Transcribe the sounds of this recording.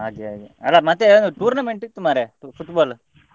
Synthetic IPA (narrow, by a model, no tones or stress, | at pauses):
a̰ːɡea̰ːɡḛɐ̰lːamɐt̪ːeond̪uʈuːɾnɐmeɳʈit̪umːaːɾeupʰuʈbaːl